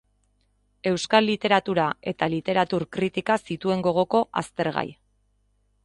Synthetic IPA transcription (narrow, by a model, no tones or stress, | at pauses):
e̞wskalːit̪e̞ɾat̪uɾae̞t̪alit̪e̞ɾat̪uɾkɾit̪ikasit̪ue̞ŋɡo̞ɣ̞o̞ko̞ʔa̰st̪e̞ɾɣa̰j